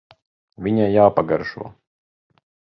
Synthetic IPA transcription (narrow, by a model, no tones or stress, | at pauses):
vʲiɲajaːpaɡaɾʃṵɔ